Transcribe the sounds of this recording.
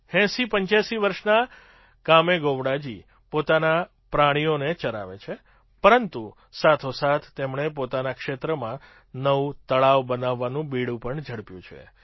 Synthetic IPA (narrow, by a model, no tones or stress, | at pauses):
hɛ̃sipəɲt͡ʃjaʃiʋəɾʃna | kameɡoʋɽad͡ʒi | pot̪ana | pɾaɽ̃ijonet͡ʃəɾa̰ʋḛt͡ʃʰe | pəɾənt̪u | sat̪ʰosat̪ʰt̪ːemɳ̃epot̪anakʃet̪ɾəmã | nəʋũt̪əɭaʋbənaʋːanũbiɽũpəɳd͡ʒʱəɽpjṵ̃t͡ʃʰḛ